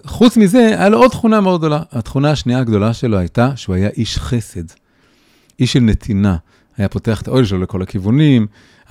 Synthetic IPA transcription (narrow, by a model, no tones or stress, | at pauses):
χut͡smize̞ajalood̪̚t̪χunameod̪ɡ̚d̪o̞laat̪χunaaʃniaaɡd̪o̞laʃe̞lohajtaʃeuajaʔiʃχe̞se̞d | ʔiʃːelnet̪ʰina | hajapo̞te̞aχet̪aʔo̞jlʃeloleko̞lakivunim